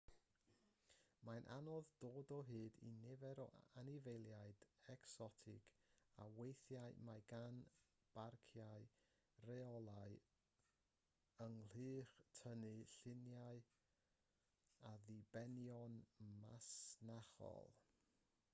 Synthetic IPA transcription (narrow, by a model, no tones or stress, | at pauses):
manʔa̰nɔðdoːdɔɦɨːdḭnɛvɛɾɔ̰ʔanɪvejlˠjaɨd̥ɛksɔtʰɪkʰa̰wejθjaɨmajɡan | b̥arkʰjaɨ | rɛɔlˠaɨ | əŋl̥ɨːχtʰənɨɬɪnjaɨ | aðibɛnjɔnmasnaχɔ̰lˠ